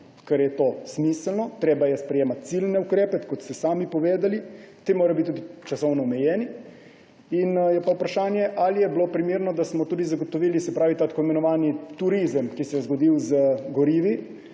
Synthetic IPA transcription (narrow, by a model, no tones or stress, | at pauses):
kɛɾjɛt̪oːsmislnɔt̪ɾeːbajɛspɾɛjeːmat̪̚t̪silnɛukɾeːpɛkɔt̪st̪ɛsaːmipɔʋeːd̪alit̪emoːɾajbit̪ud̪it͡ʃasɔwnɔːmɛjɛːni | injɛpaupɾaʃaːnjɛʔalijɛblopɾimeːɾnɔd̪asmɔt̪uːd̪izaɡot̪ɔʋiːlisɛpɾaːʋit̪aːt̪ḁkoimɛnɔʋaːnit̪uɾizəmkisɛjɛzɡod̪iwzəɡɔɾiːʋi